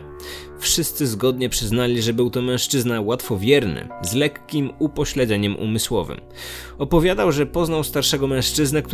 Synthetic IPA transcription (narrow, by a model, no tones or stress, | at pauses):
fʂɘst̪sɘzɡɔd̪ɲɛpʂɘznalʲiʐɛbɘwt̪ɔmɛ̃w̃ʂt͡ʂɘznawat̪fɔvʲjɛɾnɘ̰zlɛkːʲimupɔɕlɛd̪zɛɲɛmʔṵmɘswɔvɘ̰m | ɔpɔvʲjad̪awʐɛpɔznawst̪aɾʂɛɡɔmɛ̃w̃ʂt͡ʂɘznɛk̚t̪